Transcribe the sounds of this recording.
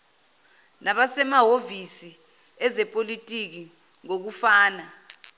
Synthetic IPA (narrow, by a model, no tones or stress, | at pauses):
naɓasɛmaɦovisi | ɛzɛpʼolitʼik̬i | ŋok̬ufaːna